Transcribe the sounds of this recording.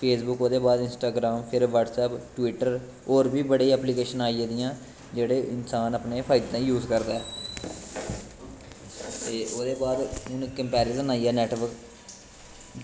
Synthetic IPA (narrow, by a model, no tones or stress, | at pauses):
pʰeːsbʊkoːd̪eːbaːd̪ɪnsʈaːɡɾaːmpʰɪɾʋəʈsɛːpʈʋɪʈːəɾ | oːɾbiːbəɽeiːɛːpliːkeːʃənaːieːd̪ɪjãː | d͡ʒeːɽeːʔɪnsaːnəpneːpʰaːɪd̪ːãːijuːzkəɾd̪aːɛː | t̪eːoːd̪eːbaːd̪ʊnkəmpɛːɾɪzənaːiɛːnɛːʈʋəɾk